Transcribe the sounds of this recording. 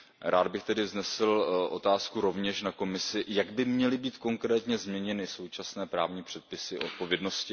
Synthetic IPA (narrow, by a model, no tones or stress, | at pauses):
ɾʔaːd̪bɪxt̪ɛdɪvznɛsɪlʔo̞t̪aːskuɾo̞vɲɛʃnako̞mɪsɪjaɡbɪmɲɛlɪbiːt̪ko̞ŋkɾɛːt̪ɲɛzmɲɛɲɛnɪso̞wt͡ʃasnɛːpɾaːvɲiːpr̥ɛt̪̚pɪsɪʔot̪̚po̞vjɛdno̞scɪ